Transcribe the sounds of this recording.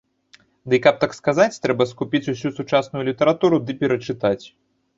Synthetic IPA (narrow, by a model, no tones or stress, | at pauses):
d̪ɨkap̚t̪akskazat͡sʲt̪ɾɛbɐskupʲit͡sʲusʲusut͡ʂasnʊjulʲit̪ɐɾat̪uɾud̪ɨpʲɛɾɐt͡ʂɨt̪at͡sʲ